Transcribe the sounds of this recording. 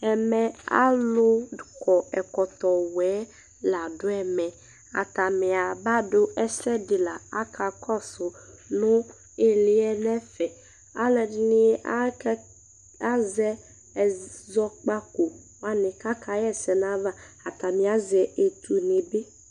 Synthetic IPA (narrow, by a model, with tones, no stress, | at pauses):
ɛ˨mɛ˨a̰˦lʊ˦˨kɔ˨ɛ˨kɔ˨t̪ɔ˨wɛː˨˦ | la˨dʊ˦ɛ˨mɛ̃˨ | a̰˨t̪a˨mɪ̃˨a˨ba˦dʊ˦ɛ˦sɛ˦dɪ˨la˨a˦kʰa˨kʰɔ˦sʊ˨nʊ̃˦ | ɪ˨lɪ˦ɛ˦nɛ˦fɛ˨ | a˨˦lɛ˨dɪ˨nɪ˦a˦ | a˦zɛ˦˨ | zɔ˦k͡pa˦ko˨ | wa˦nɪ̃˨ka˦ka˨˦jɛ˦sɛ˨nã˦va˦a˨t̪a˨mɪ̃˨a˨˦zɛ˨e˨t̪ʰu˨ne˨be˦